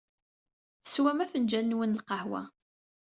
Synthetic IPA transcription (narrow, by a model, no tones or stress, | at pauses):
θə̥swæmæfənd͡ʒænːwənlqɑhwæ̰